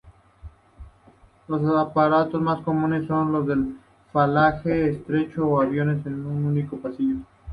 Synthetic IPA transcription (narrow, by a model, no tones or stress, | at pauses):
los̬apaɾat̪o̞zmasko̞mũnesːo̞nlo̞zðe̞l | falaxeːst̪ɾe̞t͡ʃoːaβjo̞ne̞senununiko̞pasiʝo